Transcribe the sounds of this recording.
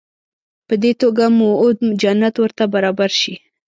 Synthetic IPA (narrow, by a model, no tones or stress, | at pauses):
pəd̪et̪oɡamood̪md͡ʒanːat̪wəɾt̪abaɾɑbaɾʃi